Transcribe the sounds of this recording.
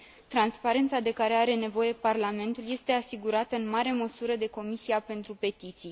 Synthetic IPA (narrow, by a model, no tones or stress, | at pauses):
t̪ɾanspaɾe̞nt̪sad̪e̞kaɾe̞aɾe̞ne̞vo̞je̞parlame̞nt̪ulje̞st̪e̞asiɡuɾat̪əɨnmaɾe̞məsuɾəd̪e̞ko̞misiape̞nt̪ɾupe̞t̪it̪sij